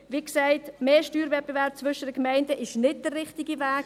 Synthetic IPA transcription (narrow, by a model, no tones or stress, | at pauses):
viːksaɪtmeːʃtyːɾvɛt̚b̥evɛɾp̚t͡svʏʃədəkmaɪndəʔɪʃnɪt̚d̥ərːɪχtiɡivæːk